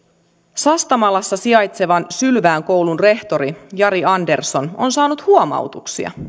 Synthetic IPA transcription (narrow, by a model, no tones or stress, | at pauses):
sɑst̪ɑmɑlɑsːɑsiɑjt̪se̞ʋɑnsylʋæːŋko̞wlunre̞ht̪o̞ɾijɑɾiɑnde̞rso̞nonsɑːnut̪huomɑ̰wt̪uksḭɑ̰